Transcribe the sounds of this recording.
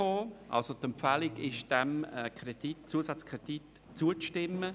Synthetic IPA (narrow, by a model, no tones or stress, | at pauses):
oːʔa̰lsotɛmpfælɪɡɪʃd̥ɛmɛkrɛd̥itt͡suəsat͡skʁɛd̥it | t͡suət͡stɪmːə